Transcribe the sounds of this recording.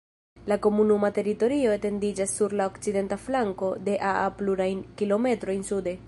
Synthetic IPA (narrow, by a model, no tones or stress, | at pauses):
lako̞munumate̞ɾito̞ɾio̞ete̞ndid͡ʒasːuɾlaokt͡side̞ntaflaŋko̞de̞ʔaapluɾajnkilo̞me̞tɾo̞jnsude̞